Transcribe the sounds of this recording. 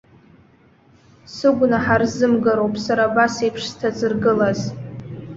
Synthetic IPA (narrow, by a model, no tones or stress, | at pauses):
sɨɡʷnaħarzɨmɡaɾowpʼsaɾabasejpʰʂz̥tʰazɨrɡɨlaz